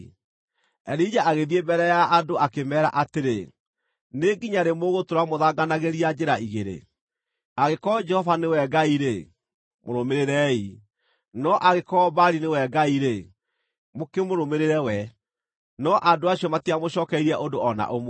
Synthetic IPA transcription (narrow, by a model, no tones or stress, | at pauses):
ɛɾid͡ʒaʔaɣeðiebɛɾɛjaʔadoʔakemɛːɾa̰ʔateɾe | neɡiɲaɾemoɣotoɾamoðaɡanaɣeɾiad͡ʒɛɾaiɣeɾḛ | aɣekɔd͡ʒɛhɔvanewɛɡaiɾe | moɾomeɾeɾɛi | nɔʔaɣekɔbaɾinewɛɡaiɾe | mokemoɾomeɾeɾɛwɛ | nɔʔandoaɕiɔmatiamoɕɔːkɛiɾɛʔondoɔna̰ʔomo